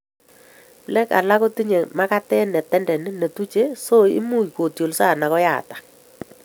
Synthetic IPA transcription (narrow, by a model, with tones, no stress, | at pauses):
plɛ˦ka̰˨la˦ko˦ti˦ɲe˨ma˦ka˦tɛ˦nɛ˨tɛ˦ndɛ˨nɪ˦ne˨tu˦t͡ʃe˦so˦ḭ˦mu˦jko˨tjo˨lsa˦˨na˨kɔ˦ja̰˦˨tḁ˨